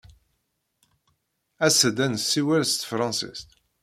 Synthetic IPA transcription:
æsəd̪ænsːiwælst̪fɾˤɑ̃nsḭst̪

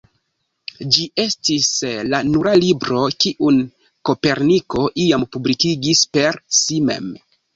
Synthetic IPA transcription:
d͡ʒiʔe̞stislanuɾalibɾo̞kiʔun | ko̞pe̞ɾniko̞ʔiampublikiɡispe̞ɾsimḛm

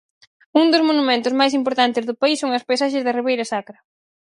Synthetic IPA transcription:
uŋd̪ʊzmonumẽnt̪ʊzmajs̬impoɾt̪ant̪ɪzðʊpaisːoŋɐspajsaʃɪzðɐriβejɾɐsakɾɐ

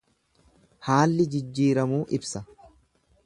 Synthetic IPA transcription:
haːlːɪd͡ʒɪd͡ʒːiːɾɐmuːʔɪbsɐ

